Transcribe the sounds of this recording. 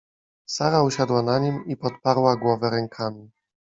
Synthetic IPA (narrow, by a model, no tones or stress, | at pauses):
saɾauɕad̪wanaɲimipɔt̪̚paɾwaɡwɔvɛɾɛŋkʰamʲi